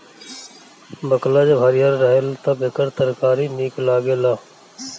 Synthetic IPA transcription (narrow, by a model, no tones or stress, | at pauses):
bəklaːd͡ʒbʱəːɾijəɾːəɦelt̪əbekəɾt̪əɾkaːɾiːniːklaːɡeːlaː